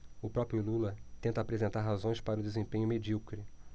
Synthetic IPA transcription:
ʊpɾɔpɾjululɐt̪ẽnt̪ɐaːpɾezẽnt̪aɾɦazõj̃spaɾɐʊd̪ezẽmpẽɲʊmed͡ʒiwkɾi

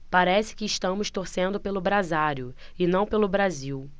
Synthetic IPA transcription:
paɾɛsɪ̥kɪːʃt̪ɐ̃mʊʃt̪oɾsẽnd̪ʊpelʊbɾazaɾjʊ | ɪnɐ̃w̃pelʊbɾaziw

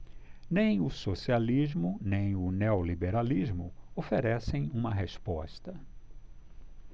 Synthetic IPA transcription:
nẽj̃ʊsosializmʊnẽj̃ʊneolibeɾalizmʊ̰ofeɾɛsẽj̃ũmɐɦespɔst̪ɐ

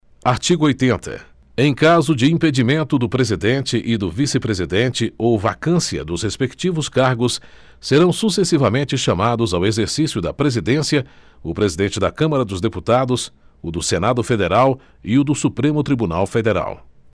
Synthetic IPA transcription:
aɾt͡ʃiɡʊojt̪ẽnt̪ʰɐ̰ | ẽj̃kazʊd͡ʒɪĩped͡ʒimẽnt̪ʊd̪ʊpɾezid̪ẽnt͡ʃɪʔɪd̪ʊvisɪpɾezid̪ẽnt͡ʃɪowva̰kɐ̃siɐ̰d̪ʊshespekt͡ʃivʊskaɾɡʊs | seɾɐ̃w̃susesivɐmẽnt͡ʃɪʃamad̪ʊzawezeɾsisjʊd̪ɐpɾezid̪ẽsiɐ | ʊpɾezid̪ẽnt͡ʃɪd̪ɐkɐ̃mɐɾɐd̪ʊzd̪eput̪ad̪ʊs | ʊd̪ʊsenad̪ʊfed̪eɾaw | ɪʊd̪ʊsupɾẽmʊt̪ɾibuna̰wfed̪eɾa̰w

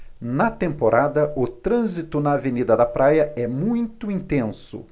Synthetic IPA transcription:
nɐt̪ẽmpoɾʔad̪ɐʔʊt̪ɾɐ̃zit̪ʊnɐːvenid̪ɐd̪ɐpɾʔajɐɛmũj̃t̪ʊĩnt̪ẽsʊ̰

